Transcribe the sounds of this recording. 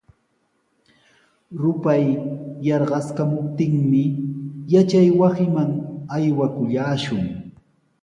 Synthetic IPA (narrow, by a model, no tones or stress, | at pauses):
ɾʊpajːɑɾɢɑskamʊp̚t̪ɪŋmɪjat͡ʃajwasɪmaŋajwakʊʎaːʃʊŋ